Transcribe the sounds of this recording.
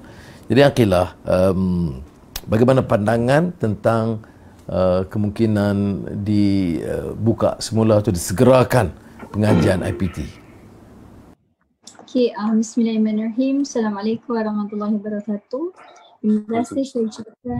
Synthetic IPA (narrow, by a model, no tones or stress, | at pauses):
d͡ʒadiaqilahʔəm | baɡajmanapandaŋãnt̪ənt̪aŋ | ʔəkəmuŋkinandiə̰buka̰ʔsəmulat̪udisəɡəɾakanpəŋad͡ʒianʔa̰jpit̪ḭ | okʰeamismilaimãnraɦimsalamalekumwaɾɑhmat̪ulːahiwbəɾɑkat̪uh | imazasisait͡ʃika